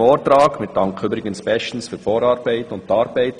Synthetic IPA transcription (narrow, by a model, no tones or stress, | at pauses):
oːɾtɾaːkmɪt̚dɑŋkʰyːbɾɪɡənspɛʃn̩sfyːɾfoːɾɑːɾbɛɪtʊntːɑːɾbæɪt